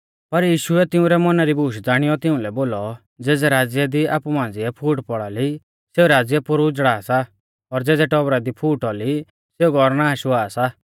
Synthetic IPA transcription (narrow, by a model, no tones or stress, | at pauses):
pɐɾjiːʃuɛt̪ɪũɾɛmɔnaɾibʱuːʃd͡zaːɽ̃ɪjɔt̪ɪʊ̃lɛboːlɔ | d͡zɛːd͡zɛɾaːd͡zjɛd̪ia̰ːpumãːn̆d͡zɪɛpʰuːʈpɔɽali | seːuɾaːd͡zjɛpʊɾud͡zɽaːsa | ɔɾd͡zɛːd͡zɛʈɔbɾad̪ipʰuːʈɔli | seuɡɔɾnaːaʃʊaːsa